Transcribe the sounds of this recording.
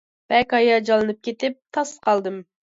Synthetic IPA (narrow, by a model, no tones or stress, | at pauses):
b̥ɛkʲɑjɑd͡ʒɑlˠɨnɨp̚kʲʰet̪ɪp̚t̪ʰɑsqʰɑlˠd̪ɨm